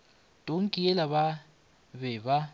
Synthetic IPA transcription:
d̥ʼʱoŋkʼijɛlaβa | βɛβa

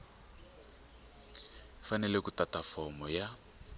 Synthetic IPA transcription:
fanɛlɛkutatafɔmɔja

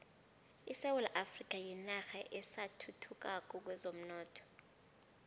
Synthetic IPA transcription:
isewulaʔafrikʼajinaxaʔɛsatʰutʰuk̬ʼak̬ʼuk̬wɛzom̩nɔːtʰɔ̥

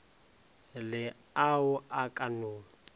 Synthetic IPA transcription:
lɪ | aʊʔakʼanʊː

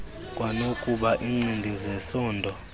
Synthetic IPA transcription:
kʼwanokʼuɓaʔiŋ͡ǀindʱizɛsɔːndʱɔ

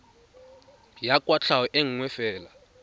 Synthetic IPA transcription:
jakʼwat͡ɬʰawɛʔeŋ̩ŋwɛfɛːla

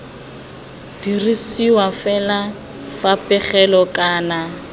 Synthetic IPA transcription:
d̥irisiwafɛla | fapʼɛχɛlɔkʼaːna

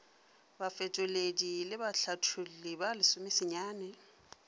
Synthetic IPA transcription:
bafɛt͡ʃʼʊledilɪbaɬatʰʊlɪbalɪsʊmɪsɪɲaːnɛ

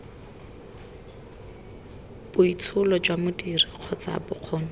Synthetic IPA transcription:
b̥ʊit͡sʰʊlɔd͡ʒwamʊdiriq͡χʰɔt͡sa̰bʊq͡χʰɔːnɔ

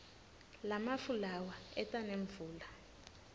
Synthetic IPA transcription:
lamafulawaɛtʼaneɱvuːla

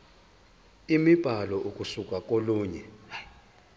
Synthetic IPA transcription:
imib̥ʱalɔʔukʼusukʼak̬ʼoluːɲɛ

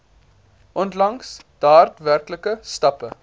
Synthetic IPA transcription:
ʔɔntlɐŋsd̥ɑːrtværkləkəstɐpə

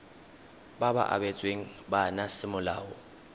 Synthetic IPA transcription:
baba̰ʔa̰bɛt͡sʼweŋ̩banasɪmʊlaːʊ

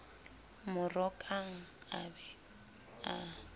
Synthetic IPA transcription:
mʊrɔkʼaŋ̩ | abɛ | a

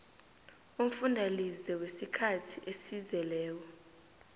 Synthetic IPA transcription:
um̩fundʱalizɛwesikʰatʰiʔesizɛlɛːw̬ɔ

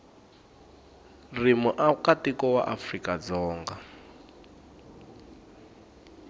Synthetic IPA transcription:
rimɔʔakatikɔwa̰ʔafrikad͡zɔːŋɡa

